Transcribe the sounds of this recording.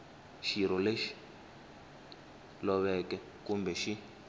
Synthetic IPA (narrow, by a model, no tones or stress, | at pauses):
ʃiɾɔleʃi̥ | lɔβɛkɛ | kumbɛʃi